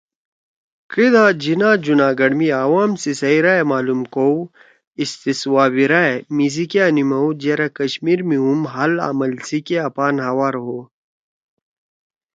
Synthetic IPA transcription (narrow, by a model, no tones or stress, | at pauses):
kɾid̪aːd͡ʑinaːd͡ʒunaːɡɐɽmiaːwaːmsisɐiɾaemaːlumkow | ist̪iswaːbiɾaemizikianimɐwd͡ʑeɾakɐɕmiːɾmiumɦɐla̰ːmɐlsikeapaːnɦɐwaːɾɦoː